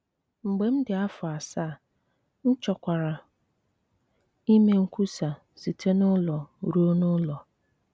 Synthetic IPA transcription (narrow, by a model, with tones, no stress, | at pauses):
ŋ͡m̩˨ɡ͡be˨m̩˦dɪ˨a˦fʊ˨a˨saː˦˨ | n̩˦t͡ʃɔ˨kʷa˨ɾa˨ | i˦me˦ŋ̩˦kʷu˦sa˨ | si˨tʰe˦nʊ˦lɔ˨ɾu˦o˦nʊ˦lɔ˨